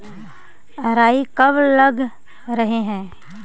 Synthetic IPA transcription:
ɾaːikɐblɐɡ | ɾɐɦeɦɛ̃ː

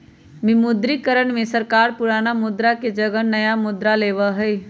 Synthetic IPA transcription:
mɪmʊd̪ɾikəɾəɳmẽsəɾkaːɾpʊɾaːnamʊd̪ɾaked͡ʒɐɡənnɐjamʊd̪ɾaleːʋaɦɛː

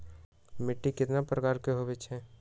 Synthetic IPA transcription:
mɪʈːikɪt̪napɾəkaːɾkeɦobet͡ʃʰɦɛ̃ː

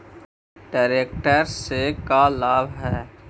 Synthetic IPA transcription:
ɖaːɾeːk̚ʈəɾsekalaːbʱɦɛː

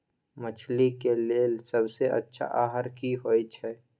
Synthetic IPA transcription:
mət͡ʃʰlikeleelsɐbseʔɐ̰tːʃʰa̰ʔaːɦəɾkiɦoːit͡ʃʰɛː

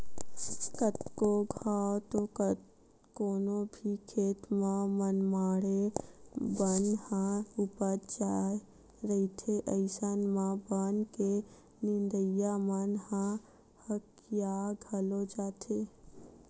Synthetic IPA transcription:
kət̪koɡʱaot̪o | koːnobʱikʰeːt̪mãmənmaːɽe | bənhãupəɾd͡ʒa | ɾəit̪ʰeʔəɪsanmãbənke | nɪ̃nd̪əjamənhã | hək | jaɡʱəlod͡ʒaːt̪ʰe

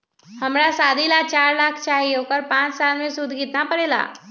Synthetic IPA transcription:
hɐmɾasaːd̪ʱilat͡ʃaːɾlaːkʰt͡ʃaːɦiɦoːkəɾpãːt͡ʃsaːlmẽsʊd̪ʱɡiːt̪napɐɾeːla̰ː

